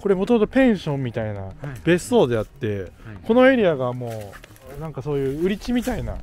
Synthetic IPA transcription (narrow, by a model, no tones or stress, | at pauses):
ko̞ɾe̞mot̪o̞mot̪opẽ̞ɰ̃ɕõ̞mːʲit̪aina̰be̞so̞ːd̪e̞at̪ːe̞ko̞no̞e̞ɾʲiaɡamo̞ː | nãŋkaso̞ːjɯ̟ːɯ̟ɾʲit͡ɕimʲit̪aina̰